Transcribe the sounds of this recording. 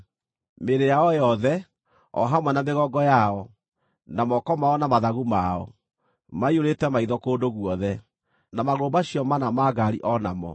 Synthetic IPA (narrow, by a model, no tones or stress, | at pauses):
meɾejaɔjɔðɛ | ɔ̰ɦamwɛnameɣɔɡɔjaɔ | namɔkɔmaɔnamaðaɣumaɔ̰ | maioɾetɛmaiðɔkoːdoɣuɔðɛ | namaɣoːbaɕiɔmanamaɡaɾiʔɔnamɔ̰